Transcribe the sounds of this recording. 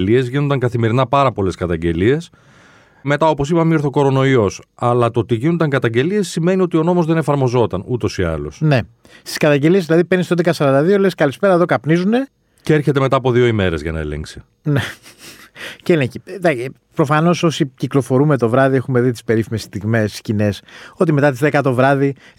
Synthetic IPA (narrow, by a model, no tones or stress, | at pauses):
lie̞zʝino̞nd̪ɐŋkɐθimeɾinɐpɐɾɐpo̞le̞skɐt̪ɐɲɟe̞lie̞s | me̞t̪ɐo̞po̞s̬ipɐmioɾθoko̞ɾo̞no̞iosɐlɐt̪ot̪iʝinond̪ɐŋkɐt̪ɐɲɟe̞lie̞sːime̞nio̞t̪io̞no̞mo̞zðe̞ne̞fɐɾmo̞zo̞t̪ɐnut̪o̞siɐ̰lo̞̰sne̞ | st̪i̥skɐt̪ɐɲɟe̞liezðilɐðipeɾnist̪ond̪ekɐsɐɾɐnd̪ɐðio̞leskɐlispe̞ɾɐeðo̞kɐpnizune̞ | ceeɾçe̞t̪eme̞t̪ɐːpo̞ðio̞ime̞ɾezʝɐ̰nɐ̰elḛŋksi̥ | ne | ceeleɲçid̪ɐ | pɾo̞fɐno̞so̞siciklo̞fo̞ɾume̞t̪o̞vɾɐðie̞xume̞ðit̪i̥spe̞ɾifimesst̪iɣme̞si̥scine̞so̞t̪̬ime̞t̪ɐt̪izðekɐt̪o̞vɾɐði